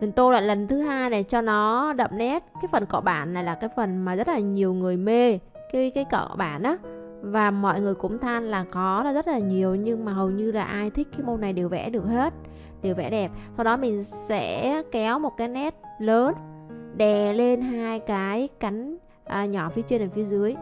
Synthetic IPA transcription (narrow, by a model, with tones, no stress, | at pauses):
mə˨˩ŋt̪o˧la̰ː˧˨jlə˨˩nt̪ʰɨ˨˦ɦaː˧jne˨˩t͡ɕɔ˧nɔ˨˦ɗə̰˧˨m̚nɛ˦˥t̚kaː˨˦jfə˨˩nkɔ̰˧˩ɓaː˧˩nːa˨˩jlaː˨˩kaː˨˦jfə˨˩nmaː˨˩zə˦˥t̚laː˨˩ɲi˨˩əwŋɨ˨˩əjme˧ | kaː˨˦jkaː˨˦jkə̰˧˨˧ɓaː˧˩nʔaː˨˦ | vaː˨˩mɔ̰˧˨jŋɨ˨˩əjkʊ̰˧˥ŋ͡mt̪ʰaː˧nlaː˨˩xɔ˨˦lzə˦˥t̚laː˨˩ɲi˨˩əwɲɨ˧ŋmaː˨˩ɦə˨˩wɲɨ˧laː˨˩ʔaː˧jt̪ʰï˦˥k̟̚kaː˨˦jmo˧nːa˨˩jɗe˨˩wvɛ̰˧˥ɗɨ˨˩ək̚he˦˥t̚ | ɗe˨˩wvɛ̰˧˩˥ɗɛ˨˩p̚sa˧wɗɔ˨˦mï˨˩ŋ̟sɛ̰˧˥kɛ˨˦wmo˨˩t̚kaː˨˦jnɛ˦˥t̚ləː˨˦nɗɛ˨˩le˧nɦaː˧jkaː˨˦jka˨˦jŋ̟ | ʔəː˨˩ɲɔ˧˩fi˨˦ət͡ɕwi˧nʔaː˨˩fi˨˦əzɨ˨˦əj